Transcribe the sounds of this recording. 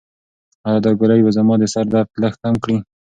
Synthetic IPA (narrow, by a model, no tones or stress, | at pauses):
ajɑd̪ɑɡʊlajbazamɑd̪əsaɾd̪aɾt̪ləxt̪amkɽi